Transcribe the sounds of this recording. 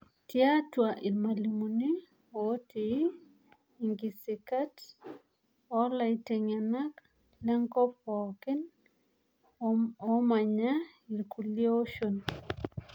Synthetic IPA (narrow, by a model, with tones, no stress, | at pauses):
tja˦twaʔi˨ɾma˨li˨mu˨ni˦ | o˦ti | ŋɡi˨si˨kat | ɔla˨ite˨ŋa˨nak | lɛ˦ŋkɔ˦pɔkɪ˦n | ɔma˨ɲa˦ | i˨ɾku˨lio˦o˦ʃon